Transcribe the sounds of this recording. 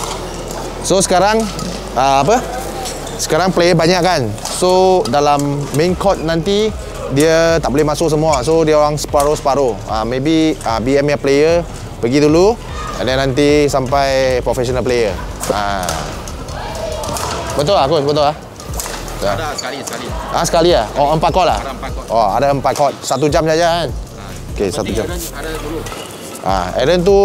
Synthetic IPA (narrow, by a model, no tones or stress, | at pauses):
sosə̥kaɾaŋ | əap̬ə | sə̥kaɾaŋplejəbaɲaʔkan | sodalamːẽŋkʰɔt̪̚nãnt̪i | diət̪aʔbolɪɛhmasʊʔ̚s̬əmuasodiəoɾaŋsə̥paɾosəpaɾoa̰mẽbiəbiɛmjaplejə | pəɡidulu | ə̰ndɛnːant̪isampajpɾofɛsonalplejəa | bət̪̬ʊlakosbət̪ʊlah | a | ʔasə̥kaliahɔəmpat̪̚kɔʔla̰hʔɔa̰daəmpat̪̚kɔt̪̚sat̪̬ud͡ʒamsad͡ʒakan | okesat̪ud͡ʒam | ʔa̰ɛ̰ɾənt̪̬u